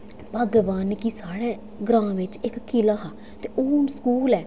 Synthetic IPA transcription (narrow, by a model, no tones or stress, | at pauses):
paɡʋaːnkisaːɽeː | ɡɾãːʋɪt͡ʃɪkkːɪlaːɦaː | t̪eːʔoːnskuːlɛː